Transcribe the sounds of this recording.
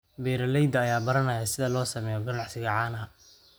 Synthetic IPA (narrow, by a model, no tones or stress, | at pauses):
bɛːɾɐlɛjd̪ɐːjaːbɐɾɐnɐjasɪðɐlɔːsɐmɛːjɔɡɐnɑħsɪɣɐʕɑːnɐ